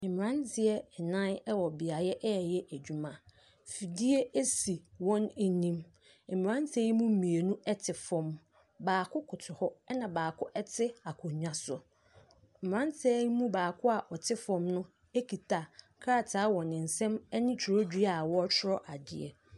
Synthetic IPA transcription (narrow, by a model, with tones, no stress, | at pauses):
mɪ̃˨ã˦ntʰɪ˦ɛ˦ɛ˨nã˦nɛ˦wɔ˨bɪ˨a˨˦ɛ˦ʔɛ˦˨jɛ˦ʔæ˨d͡ʑᶣu˨mã˨ | fi˨di˦e˦e˦si˨wɔ̃˦ne˨nĩ˦m̩˨ | m˨ã˦n˦tʰe˦jmũ˦m̩˦mĩ˨e˨nũ˦ɛ˦tʰɪ˨fɔ̃˨m | baː˨kʰʊ˦kʰʊ˨tʰʊ˨hɔ˦ɛ˦nã˨baː˨kʰʊ˦ʔɛ˦tʰɪ˦a˨kʰʊ˨ɲᶣã˨sʊ˦ | m̩˨m˨ɾã˦ntʰe˦mũ˦baː˨kʰʊ˦a˨ʔɔ˨tʰɪ˦fɔ̃˦mnʊ̃˦ | e˦kʰi˨tʰa˨ | kʰɾa˦˨tʰa˨˦wɔ̃˨nɪ̃˨n̩˨sɛ̃˦mɛ˦nɪ̃˦t͡ɕʰɪ˨ɾo˦dᶣi˦a˨wɔ˦t͡ɕʰɪ˦ɾɔ˦ʔa˨dɪ̰˨ɛ̰˨